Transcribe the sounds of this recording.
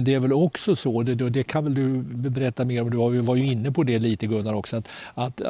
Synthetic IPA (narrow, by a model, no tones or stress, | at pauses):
nd̪ɛæɾvɛlɔksɔsɔd̪ɛd̪ɔd̪ɛkʰanvɛld̪ɵbɛɾɛt̪ːameːɾɔmd̪ɵhajvaɾjɵɪnːəpʰɔd̪ɛliːt̪əɡɵnːaɾɔksɔat̪at̪